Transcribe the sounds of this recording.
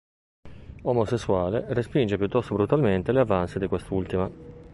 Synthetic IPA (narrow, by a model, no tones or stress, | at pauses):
omosesːuaːlerespind͡ʒepjut̪ːɔst̪obɾut̪alment̪eleavansid̪ikwest̪ult̪ima